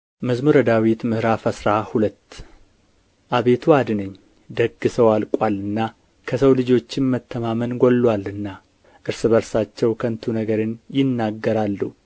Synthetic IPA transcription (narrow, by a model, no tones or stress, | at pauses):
məzmuɾəd̪awit̪mɨhɨɾafəsɾahulət̪ː | ʔaβe̞t̪ʰuad̪nəɲː | d̪əɡːɨsəwalkʼalɨnːa | kʰəsəwlɨd͡ʒo̞t͡ʃːɪnmət̪ʰːəmamənɡolːwalɨnːa | ʔɨɾsɨbəɾsat͡ʃːɛwkʰənt̪ʰunəɡəɾɨnjɪnːaɡːəɾalːu